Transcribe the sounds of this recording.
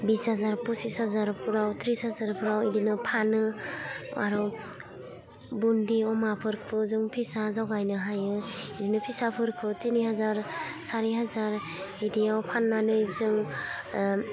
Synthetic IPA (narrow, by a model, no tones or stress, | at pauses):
bishazaɾpusishazaɾpʰuɾawtʰɾishazaɾpʰuɾawidinɯpʰanɯ | a̰ɾɔ | bundiɔmapʰɯɾpʰɯzɯŋpʰisazawɡajnɯɦajɯidinɯpʰisapʰɯɾpʰɯtiniɦazaɾsaɾeɦazaɾ | idiawpʰanːanɯjzɯŋ